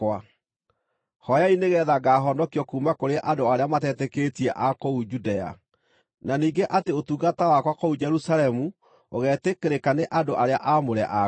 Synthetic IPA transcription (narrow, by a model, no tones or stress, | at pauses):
wa | hɔjaineɣɛːðaɡaːɦɔndɔkiɔkuːmakoɾeʔadoaɾeamatɛtɛketiɛʔakoud͡ʒudɛa̰ | naniːɡeʔateotuɣatawakwakoud͡ʒɛɾusalɛmu | oɣɛːtekeɾekaneʔadoʔaɾeaʔamoɾɛ̰ʔa